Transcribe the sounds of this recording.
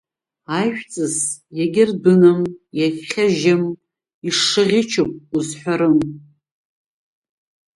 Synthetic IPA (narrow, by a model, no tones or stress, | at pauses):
ajʃᶣt͡sʼɨzjaɡʲɪrbɨnɨmjakʲχʲaʒam | iʂɨʁʲɪt͡ʃʰɨpʼuzħʷᶣaɾɨm